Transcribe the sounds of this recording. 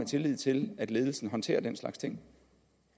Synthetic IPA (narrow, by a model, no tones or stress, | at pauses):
et͡sʰe̝lið̞̰ˠt͡sʰe̝læd̥le̝ːð̞ˠl̩sn̩ɦɒ̽nt͡sʰe̝̰ːɐd̥enslɑ̈ɡ̥st͡sʰe̝ŋ̰